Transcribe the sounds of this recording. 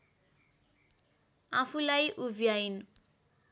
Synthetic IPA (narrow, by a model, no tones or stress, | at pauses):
apʰulajʔuvʱiajnu